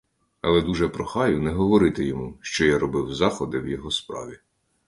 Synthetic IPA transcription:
ɐlˠɛd̪uʒɛpɾɔxɑjʊnɛɦɔʋɔɾɪt̪ɪjɔmuʃt͡ʃɔjaɾɔbɪwzɑxɔd̪ɪwjɔɦɔspɾɑ̰ʋʲi

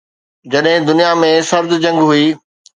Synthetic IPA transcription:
d͡ʑɐɗɦɪ̃d̪ʊnijamẽsɐɾd̪d͡ʑɐ̃ŋɡɦuiː

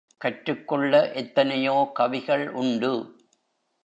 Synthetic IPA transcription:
kɐʈɾɯkːɔɭːɐʔɛt̪ːɐnɐjoːkɐʋɪɣɐɭʔʊɳɖɯ

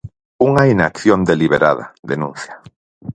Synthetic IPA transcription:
uŋainakθjond̪eliβeɾa̰ða̰ðenũn̟θja

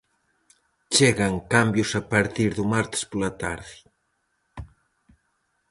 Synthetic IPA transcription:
t͡ʃeɣaŋkambjusapaɾt̪iɾðumaɾt̪e̥spolɐt̪aɾði

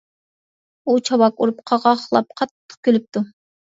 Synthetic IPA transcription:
ut͡ʃʰɑwɑkuɾupqʰɑʁɑχlˠɑp̚qʰɑt̪ːə̥q̚kʲʰølyp̚t̪ʰu

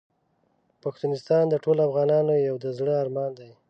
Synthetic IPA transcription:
paxt̪unɪst̪ɑnd̪əʈolafɣɑnɑnojawd̪əzɽəɑɾmɑnd̪aj

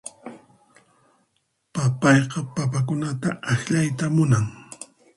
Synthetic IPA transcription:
papɑjqɑpapak̬ʊnat̪a̰ʔaxʎajt̪amʊnaŋ

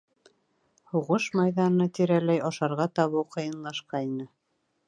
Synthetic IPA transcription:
huʁɤʃmɑjðɑnɤ̆nɑt̪iɾælæjɑʃɑɾʁɑt̪ɑβɤwqɤ̆jɤ̆nlˠɑʃqɑinɤ

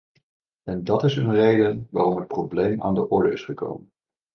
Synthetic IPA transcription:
ɛndɑtɪsənrejdənʋaːrɔmɦət̚problejma̰ːndəʔɔɹdəɪsχəko̰wmən

